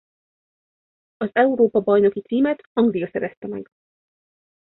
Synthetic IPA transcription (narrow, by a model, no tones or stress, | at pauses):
ɒzɛuɾoːpɒbɒjno̞kit̪siːmɛt̪hɒŋɡlijɒsɛɾɛst̪ɛmɛ̰ɡ